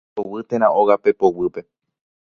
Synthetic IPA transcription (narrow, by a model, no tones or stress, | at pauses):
owɨt̪ẽɾ̃ãʔoɣape̞powɨpe̞